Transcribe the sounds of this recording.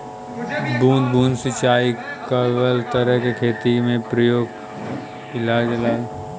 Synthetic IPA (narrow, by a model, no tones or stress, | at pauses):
bʱũːnd̪̚bʱũːnd̪sɪt͡ʃaːikəʋəlt̪əɾəɦkekʰeːt̪imẽpɾɐjoːɡ | ɪlaːd͡ʒɪlaːd͡ʒ